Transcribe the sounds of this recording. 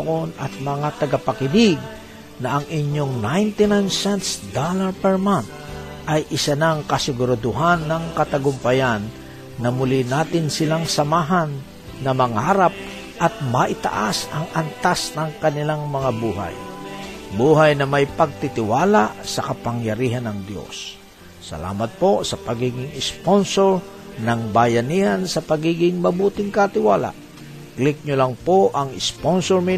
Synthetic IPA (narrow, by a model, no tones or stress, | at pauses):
ʔonɐt̪̚mɐŋat̪ɐɡapɐkɪnɪɡ̚ | nɐʔɐŋʔɪɲjoŋnajnt̪ɪnajnsɛnt̪sd̪alaɹpɛɹmant̪̚ | ʔɐjʔɪsanaŋkɐsɪɡʊɾad̪ʊɦanːɐŋkɐt̪ɐɡʊmpɐjanː | ɐmʊlinaːt̪ɪnsɪlaŋsɐmaːɦanː | ɐmɐŋaɾap̚ | ʔɐt̪̚mɐʔɪt̪a̰ʔasɐŋɐnt̪asnɐŋkɐnɪlaŋmɐŋabuːɦa̰j | buːɦajnɐmajpɐɡ̚t̪ɪt̪ɪwaːlaʔsɐkɐpaŋjɐɾiːɦanɐŋd̪jo̰sː | ɐ̰la̰ːmɐt̪̚po̞sɐpɐɡiːɡɪŋɪsponsoɹ | nɐŋbajɐnihansɐpɐɡiːɡɪŋmɐbuːt̪ɪŋkat̪ɪwaːla̰ʔ | klɪk̚ɲʊlaŋpoʔɐŋɪsponsoɹmɪ